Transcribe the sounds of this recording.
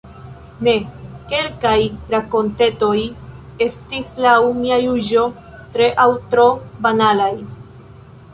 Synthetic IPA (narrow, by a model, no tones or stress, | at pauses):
ne̞ke̞lkajɾako̞nte̞to̞j | e̞stislawmiajud͡ʒo̞ | tɾe̞ʔawtɾo̞banalaj